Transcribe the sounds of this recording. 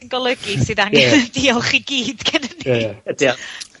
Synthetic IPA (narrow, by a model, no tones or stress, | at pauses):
nɡɔlˠəɡisɨðaŋɡɛnɛvdiɔlˠχiɡiːd̥ɡʰɛnəniəd̥iɔ